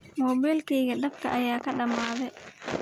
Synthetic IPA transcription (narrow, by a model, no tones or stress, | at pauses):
mɔːbɛlkɛːɡɐɗɐb̚kɐ̰ʔajaːkɐɗɐmaːðɛ